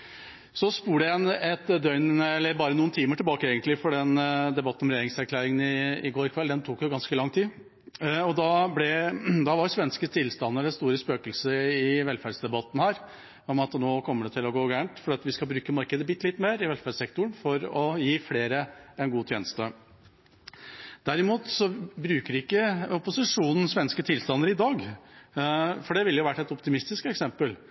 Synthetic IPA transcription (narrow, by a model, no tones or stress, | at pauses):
sɔspuːɖɛɛnɛt̪d̪œʏnənəɛlːəɾbɑːɾənuːnt̪ʰiːməʈʰɪlbɑːkəɛːɡənt̪lɪfɔɖɛnd̪ɛbɑt̪ən̩ɔmɾɛjeːɾɪŋsæɾkʰlæːɾɪŋənɪɪɡoːɾɪkʰʋɛld̪ɛnt̪ʰuːkjʊɡɑnskəlɑŋt̪ʰiː | ɔd̪ɑblɛd̪ɑʋɑɾsʋɛnskət̪ʰɪlst̪ɑnːəɾɛnst̪uːɾəspøːkəlsəɾɪʋɛlfæɖsd̪ɛbɑt̪ːn̩hæːɾ | ɔmɑt̪noːkʰɔmːəɖɛt̪ʰɪlɔɡoːɡæːɳʈ̪fɔɾɖɛːɑt̪ʋɪskɑbɾʉːkəmɑɾkəd̪əbɪt̪ːlɪt̪ːmeːɾɪʋɛlfæɖsɛkt̪ʊəɳ̩fɔɾɔjiːfleːɾəɛnɡuːt̪ʰjeːnəst̪ə | d̪̥æɾɪmuːt̪sɔbɾʉːkəɾɪɪkːəɔpʊsɪʂuːnn̩sʋɛnskət̪ʰɪlst̪ɑnːəɾɪd̪ɑːɡ | fɔɖɛʋɪlːəjʊʋæʈːɛt̪ɔpt̪ɪmɪst̪ɪskɛksɛmpəl